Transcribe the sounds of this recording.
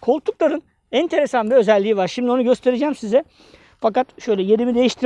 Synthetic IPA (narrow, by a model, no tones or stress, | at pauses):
kʰo̞l̚ˠt̪ʰːuklˠaɾɯn | ɛnt̪ʰe̞ɾesanvɛø̞zælʲːiːvaɾʃimd̪io̞nuɟøst̪ʰe̞ɾed͡ʒæːmsizɛ | fakat̪ʃøjlʲɛjeɾimid̪e̞jiʃt̪ʰiɾ